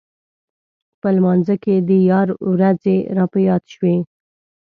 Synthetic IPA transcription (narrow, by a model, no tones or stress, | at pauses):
pəlmɑnzaked̪əjɑɾwɾazeɾɑpəjɑd̪ʃwe